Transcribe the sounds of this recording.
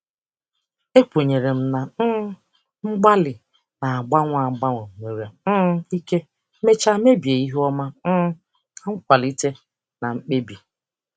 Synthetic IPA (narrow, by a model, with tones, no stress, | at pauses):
e˦kʷo˨ɲe˨ɾe˨m̩˦na˨n̩˦ | ŋ͡m̩˦ɡ͡ba˦lɪ˨ | na˨a˨ɡ͡ba˦ŋʷ˦a˨ɡ͡ba˦ŋʷo˨ŋʷe˨ɾja˨˦i˦ke˦ | me˦t͡ʃa˦me˦bi˨e˨i˦ɦɔ˦ma˦n̩˦ | a˦ŋ̩˦kʷa˨li˦te˦ | na˨ŋ͡m̩˦k͡pe˦bi˨